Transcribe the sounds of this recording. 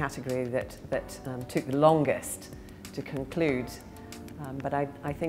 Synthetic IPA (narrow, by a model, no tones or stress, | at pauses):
aɾɨɡəɹiðɨt̪ðɨttʰʊk̚ðəlɒ̃ŋɡɪs | tʰɨkʰɨ̃nkʰl̥ʉd | bʌɾaɪaɪθɪ̃